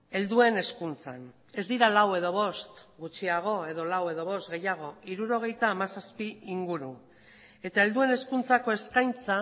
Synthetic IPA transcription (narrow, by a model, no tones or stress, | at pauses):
e̞ld̪ue̞ne̞skunt͡sa̰n | e̞zd̪iɾalawe̞ðo̞βo̞st̪ɡut͡ʃiaɣ̞o̞eðo̞lawe̞ðo̞βo̞st̪ɡe̞jaɣ̞o̞iɾuɾo̞ɣ̞e̞jt̪aːmasaspiiŋɡuɾu | e̞t̪ae̞ld̪ue̞ne̞skunt͡sako̞e̞skajnt͡sa